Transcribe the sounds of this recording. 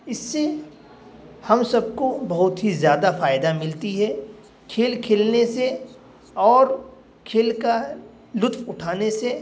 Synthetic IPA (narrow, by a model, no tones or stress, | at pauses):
ɪsːe | hɐmsɐb̚kobɐɦʊt̪ɦizjaːd̪afaːɪd̪amɪlt̪iɦɛ | kʰeːlkʰeːlnese | ɔːɾ | kʰeːlka | lʊt̪ʰfʊʈʰaːnese